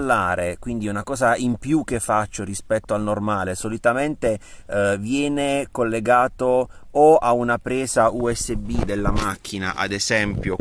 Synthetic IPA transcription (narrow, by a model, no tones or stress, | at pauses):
lːaːɾekwind̪iunakɔːzaimpjuk̟ːefːat͡ʃːorispɛt̪ːoalnormaːlesolit̪ament̪evjɛːnekolːeɡaːt̪oː | aunapɾɛːzauɛsːebid̪elːamak̟ːina̰ʔa̰d̪ezɛmpjo